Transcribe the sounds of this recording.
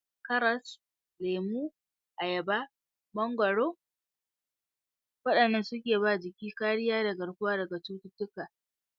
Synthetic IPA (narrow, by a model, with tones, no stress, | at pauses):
kɐ˦ɾɐ˦s | leː˨muː˦ | ʔa˨jɐ˨ba˦ | bɐ˦ŋɡʷɐ˨ɽoː˦ | wɐ˦ɗɐ˨nːɐ˦nsʊ˦kʲeː˨baː˦˨d͡ʒɪ˨kʲiː˦kaː˦ɽɪ˦jaː˦dɐ˨ɡɐ˨ɽkʷʊ˦aː˦dɐ˨ɡa˨tuː˦tʊ˦tʊ˦kaː˨